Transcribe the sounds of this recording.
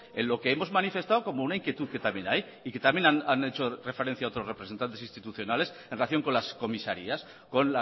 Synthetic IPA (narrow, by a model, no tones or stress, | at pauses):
enlo̞keemo̞zmanife̞st̪awko̞mounaiŋkje̞t̪uðket̪amje̞naj | ike̞t̪amje̞nanane̞t͡ʃorefe̞ɾe̞n̟θjao̞t̪ɾo̞zrepɾesent̪ant̪esinst̪it̪uθjo̞nale̞senreaθjo̞ŋko̞nlasko̞misaɾias | ko̞nla